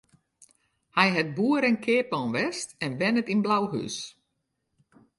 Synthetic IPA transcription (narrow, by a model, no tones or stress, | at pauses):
hɛjɦɛt̚buːəɾɛnkʰɪːpɔnʋɛstɛnbɛnətinblawɦy̰s